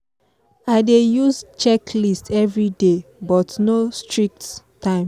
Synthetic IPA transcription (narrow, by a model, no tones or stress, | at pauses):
aɪdejuzt͡ʃɛkʰlistʰɛvɹidebɔtnostʰɹik̚t | tːãɪ̃m